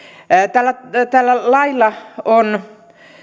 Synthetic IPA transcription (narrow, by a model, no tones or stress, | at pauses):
t̪ælːæt̪ælːælɑilːɑon